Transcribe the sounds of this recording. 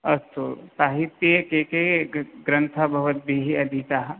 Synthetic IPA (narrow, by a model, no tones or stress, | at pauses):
ɐst̪osaːɦit̪ːjekekeɡɾɐ̃nt̪ʰabʱɐʋət̪̚bʱiɦiɐd̪ʱit̪aɦ